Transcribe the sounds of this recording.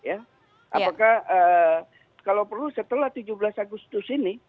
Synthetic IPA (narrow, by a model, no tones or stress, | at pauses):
ja | ʔa̰pakahə | kalawpərlusət̪əlaht̪ud͡ʒublasaɡʊst̪ʊsinɪ